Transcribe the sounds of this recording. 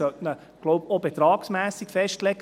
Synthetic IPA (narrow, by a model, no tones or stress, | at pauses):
œtnə | ɡ̥lɔʊbobet̪ɾɑːksmæːsikfɛʃtlɛɡ̥